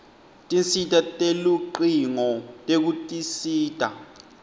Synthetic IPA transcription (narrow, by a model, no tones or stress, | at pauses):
tʼint͡sitʼatʼeluǃiŋɔtʼek̬utʼisiːtʼa̰